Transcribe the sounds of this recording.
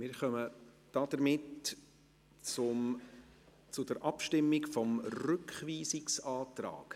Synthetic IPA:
mɪɾχœmə | d̥ɑd̥̪əɾmɪt | t͡sʊm | t͡sʊdəɾʔɑpʃtɪmːɪkfɔmrʏkχviːsɪksɑːt̪rɑ̰ːk

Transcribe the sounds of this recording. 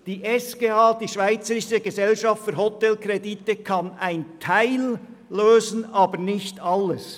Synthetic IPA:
d̥iːʔɛskeːaːd̥iːʃv̥aɪt͡səɾɪʃəɡezɛlʃɑftfyːɾhɔtɛlkreditəkʰɑnaɪntʰaɪlː | øːzən̩ɑːbəɾnɪçtɑlːəs

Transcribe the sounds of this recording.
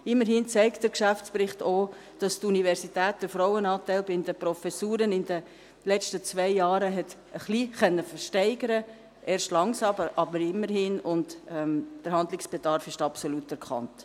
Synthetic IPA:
ɪmːəɾɦɪnt͡sɛɪktd̥əɾkʃæft͡spɾɪχtoː | d̥ɑstunivɛɾsitɛːt̚d̥əfɾɔwənɑːtɛɪlbɪndəpɾɔfɛsuːɾənɪnd̥ə | lɛt͡ʃtət͡sʋɛɪjɑːɾəɦɛt | əχliχœnːəfəɾʃtɛɪɡəɾə | ʔeːɾʃtlɑŋsɑbəɾʔɑbəɾɪmːəɾhɪnʊndɛmd̥əɾhɑndlɪksb̥edɑɾfɪʃtɑpsolutɛɾkʰɑ̰nt

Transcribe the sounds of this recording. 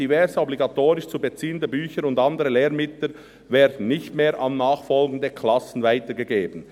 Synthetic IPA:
ivɛɾzəɔbliɡɑtoːɾɪʃt͡subət͡siːəndəbyːçəɾʊndɑndəɾəleːɾmɪtlə | vɛːɾdn̩nɪçtmeːɾʔɑnnaːχfɔlɡən̩dəkʰlɑsn̩vaɪtəɡəɡeːbən̩

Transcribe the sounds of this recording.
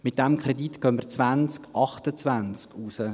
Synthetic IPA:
mɪt̚d̥ɛmkʰɾɛditkøːnmət͡svænt͡skɑχtət͡svænt͡skusə

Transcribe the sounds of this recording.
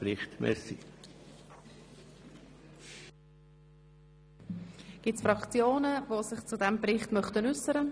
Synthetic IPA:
ɾɪχtmɛ̰sḭ | ɡ̥ɪtsfrɑkt͡sjoːnəvosɪχt͡sudɛmbrɪχtmœχtənʏsəɾə

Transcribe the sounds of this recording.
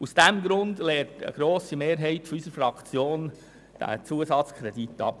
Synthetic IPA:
usd̥æmɡɾʊndleːtə̰ɡ̥ɾoːsimeːɾɦɛɪtfɔysəɾfɾɑkt͡sjoːn | d̥æ̰t͡suəsɑt͡skʰɾɛdit̪ːɑ̰p

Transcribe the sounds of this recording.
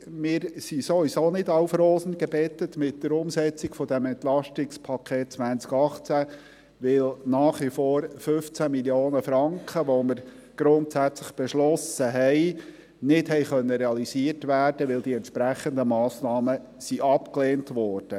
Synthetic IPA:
mɪːɾsisovisoːnɪdɑwfɾoːsənɡəbɛt̪ətmɪt̚d̪əɾʊmsɛt͡siɡfɔd̪ɛmɛnt̪lɑʃtɪkspʰɑkʰeːt̚t͡sʋænt͡skɑχt͡sæ | ʋɪlnɑːχʋifoːɾfɵft͡sæmiljoːnəfɾɑŋkχəʋoməɾɡ̥ɾʊnt̪sæt͡sləχb̥ɛʃlɔsəɦɛɪ | nɪthɛɪχœnːəɾɛɑliziətʋæːɾdəʋɪld̪iɛntʃpɾæχənd̪əmɑːsnɑːmə | siʔɑpkleːntʋɔːɾd̥ə

